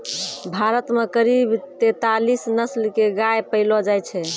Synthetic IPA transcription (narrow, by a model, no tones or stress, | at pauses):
bʱaɾət̪mekəɾibt̪et̪alisnəslkeɡajpəɪlɔd͡ʒajt͡ʃʰɛ